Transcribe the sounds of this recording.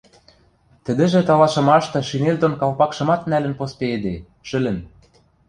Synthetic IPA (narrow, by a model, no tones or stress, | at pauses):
t̪ɘ̆d̪ɘ̆ʒĕt̪ɑlɑʃɤ̆mɑʃt̪ɤ̆ʃineld̪onkɑlpɑkʃɤ̆mɑt̪nælɘ̆npospeed̪e | ʃɘ̆lɘ̆n